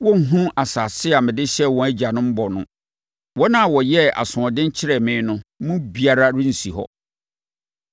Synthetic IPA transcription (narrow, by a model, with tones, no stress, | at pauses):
wɔ̃˦ŋ̩˦ɦũ˦a˨sa˨sɪ˦a˨mɪ̃˨dɪ˦ɕɛ˦wɔ̃˨æ˦d͡ʑa˨nʊ̃˦m̩˦bɔ˨nʊ̃˦ | wɔ˦nã˦˨wɔ˨jɛ˦a̰˨sʊ̃˨ɔ̃˨dɪ̃˦ɲ̩˦t͡ɕʰɪ˦ɾɛ˨mɪ̃ː˨˦nʊ̃˦mũ˦bi˦a˦ɾa˦ɾĩ˦n̩˨si˨hɔ̰˦